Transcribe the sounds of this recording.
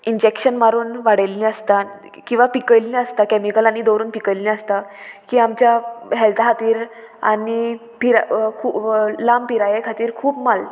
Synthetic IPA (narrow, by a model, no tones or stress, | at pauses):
iɲd͡ʑekɕənmaɾuːnʋaɽəlːĩəst̪a | kĩw̃ʋapikəjllĩəst̪akɛmikəlañid̪oɾuːnpikəllĩəst̪akiːamt͡ɕjaɦɛlt̪aɦat̪iːɾ | a̰ni | piɾkʰulampiɾajekʰat̪iːɾkʰuːpmal